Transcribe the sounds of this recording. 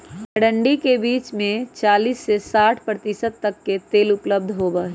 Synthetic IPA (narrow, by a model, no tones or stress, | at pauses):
əɽə̃ɳɖikebiːt͡ʃmẽt͡ʃaːliːsːesaːʈʰpɾət̪ɪsət̪̚ːɐkːet̪eːlʊpləb̚d̪ʱɦoːbəɦ